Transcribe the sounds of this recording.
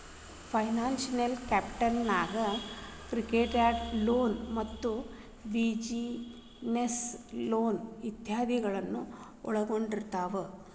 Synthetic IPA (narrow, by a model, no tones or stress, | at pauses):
pʰɐjnaːnsɐnelkaːpʈɐnːaːɡɐkɾikeːʈaːɖloːnmɐt̪ːu | ʋid͡ʒi | nesloːnʋid̪jaːd̪ʱiɡɐɭɐnːu | ɔɭɐɡo̞ɳɖiɾt̪aːʋe